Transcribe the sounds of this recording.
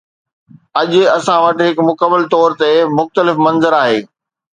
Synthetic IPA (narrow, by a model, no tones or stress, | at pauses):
ɐʄʊ̆ɐsãʋɐʈɪɦɪkmʊkəmːəlt̪ɔːɾt̪emʊxt̪əlɪfmɐ̃nzəɾaːɦeː